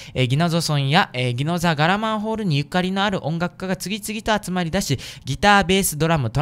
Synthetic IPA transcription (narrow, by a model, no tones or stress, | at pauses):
eɡʲino̞zo̞sõ̞ɰ̃jaeɡʲino̞zaɡaɾamãɰ̃ɦo̞ːɾɯ̟ɲ̟ijɯ̟kːaɾʲino̞aɾɯ̟ʔõ̞ŋɡakɯ̟̥kːaɡat͡sɨɡʲit͡sɨɡʲit̪o̞at͡sɨmaɾʲid̪aɕiɡʲit̪aːbe̞ːsɨd̪o̞ɾamɯ̟t̪o